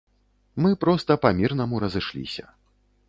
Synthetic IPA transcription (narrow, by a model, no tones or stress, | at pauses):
mɨpɾɔst̪ɐpamʲirnɐmuɾɐzɨʂlʲḭsʲɐ̰